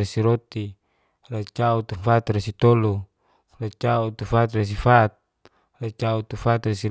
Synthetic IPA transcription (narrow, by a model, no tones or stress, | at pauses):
esiɾot̪i | rat͡ʃaut̪ufat̪resit̪olu | rat͡ʃaut̪ufat̪res̬ifat̪̚ | rat͡ʃaut̪ufat̪resi